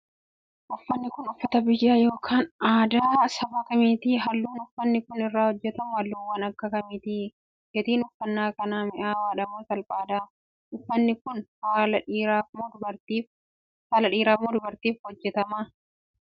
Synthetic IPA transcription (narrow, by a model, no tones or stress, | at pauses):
ʔʊfːɐnːɪkʊnʊfːɐt̪ɐbɪjːaːjo̞ːkʰaːnaːd̪aːsɐbaːkɐmiːt̪ɪɦɐlːuːnʊfːɐnːɪkʊnɪrːaːhɔd͡ʒːɛt̪ɐmʊhɐlːuːwːɐnɐkːɐkɐmiːt̪ɪ | ɡɛt̪iːnʊfːɐnːaːkɐnaːmɪʔaːwaːᶑɐmuːsɐlpʼaːd̪aː | ʔʊfːɐnːɪkʊnhaːlɐmd̪bɐɾt̪iː | haːlɐᶑiːɾaːmʊd̪ʊbɐɾt̪iːfhɔd͡ʒːɛt̪ɐma